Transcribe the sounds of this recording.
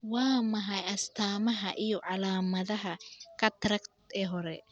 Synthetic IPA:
wɑːmɐɦɐjɐst̪ʰaːmɐɦɐʔijɔʕɑlaːmɐðɐɦɐkʰɐt̪ʰɾɐkt̪ɛɦɔɾɛ

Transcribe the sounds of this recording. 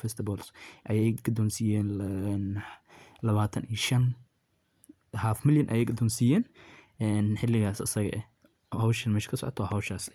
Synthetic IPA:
fɛst̪ʰɪbɔːlsʔɐjɛjkʰɐd̪ɔːnsijɛːnːn | lɐβaːt̪ʰɐnijʃɐn | haːfmɪljɐnʔɐ̰jɛjkʰɐd̪ɔːnsijɛːn | ɛnħɪlːɪɣaːsɐ̰sɐɣɐ̰ʔɛ | hɐwʃɐnmɛʃkʰɐsɔ̰ʕɔ̰t̪ʰɔːhɐwʃaːs

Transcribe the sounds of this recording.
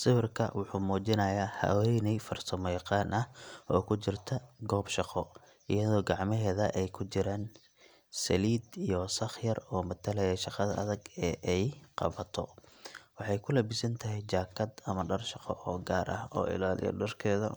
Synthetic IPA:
sɪwɪrkʰɐ̰wʊħuːmɔːt͡ʃɪnɐjaːhɐ̰wɛjnɛjfɐrsɔmɔjqɑːnʔɐhʔɔːkʰʊt͡ʃɪrt̪ʰɐɡɔːbʃɑqɔ | ʔɪjɐðɔːɡɑʕmɪɦɛːðɐʔɛjkʰʊt͡ʃɪɾaːn | sɐliːd̪ijɔsɑχjɐrɔːmɐt̪ʰɐlɐjɐʃɑqɑðɐʔɐðɐɡɛːʔɛjqɑ̰βɐt̪ʰɔwɑħɑjkʰʊlɐbɪsɐnt̪ʰɐɦɛjt͡ʃaːkʰɐd̪ɐmɐɖɐrʃɑqɔ̰ʔɔːɡaːɾʔɐ̰hɔ̰ːɪ̰laːlɪ̰jɔ̰ɖɐrkʰɛːðɐ̰

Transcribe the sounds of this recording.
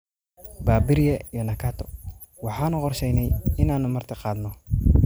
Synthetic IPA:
baːbɪɾjɛijɔnɐkʰaːt̪ʰɔ̥ | wɑħɑːnʊqɔrʃɛjnɛjɪnaːnʊmɐrt̪ʰɐqɑːd̪nɔ

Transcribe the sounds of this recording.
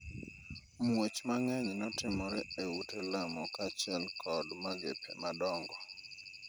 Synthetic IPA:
mwet͡ʃmaŋɛɲnɔtɪmɔɾɛewutelamɔkat͡ʃɛlkʰɔdmaɡḛpʰɛ̰madɔŋɡɔ

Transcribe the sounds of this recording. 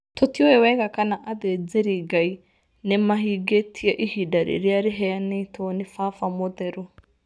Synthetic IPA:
t̪ʰot̪ioɛwɛɡakanaʔaðɛd͡zeɾiɡai | nɛmaɦiɡetʰieʔihidaɾḭɾiaɾɪɦɛanetʰɔnɪfafamodɛɾu

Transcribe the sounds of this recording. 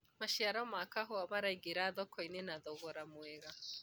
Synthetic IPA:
maʃiaɾamakaɦɔamaɾaiɡeɾaðɔkɔinenaðɔɣɔɾamwɛɣa

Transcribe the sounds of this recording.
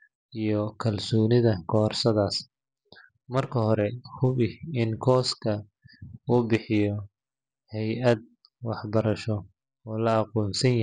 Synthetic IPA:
ijɔkʰɐlsɔːnɪðɐkʰɔːrsɐðaːs | mɐrkʰɐhɔɾɛhʊβɪɪnkʰɔːskʰɐ | uːbɪħɪjɔ | hɛjʔɐd̪̚ | wɑħbɐɾɐʃɔ | ɔːlɐɑqɔːnsɐnj

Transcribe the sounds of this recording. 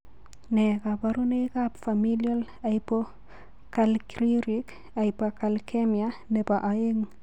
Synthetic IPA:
nekapaɾunejkapfamiljol | ajpo | kalkɾiɾik | ajpakalkʰemianepaʔajeŋ

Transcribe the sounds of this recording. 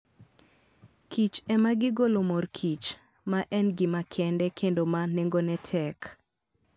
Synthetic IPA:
kit͡ʃɛmaɡɪɡolomorkʰit͡ʃ | maʔɛnɡɪmakʰɛndɛkʰendomaneŋɡonɛtʰɛk

